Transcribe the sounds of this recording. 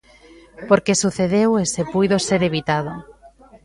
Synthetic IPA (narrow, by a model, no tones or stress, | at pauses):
poɾkesuθeðewesepujðoseɾeβit̪aðo